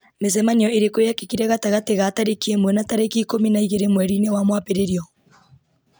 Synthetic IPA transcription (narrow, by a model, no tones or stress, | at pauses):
mez̬ɛmaniɔeɾekojakekiɾɛɣataɣateɣataɾekiemwɛnataɾekikominaiɣeɾemwɛɾinewamwapeɾeɾiɔ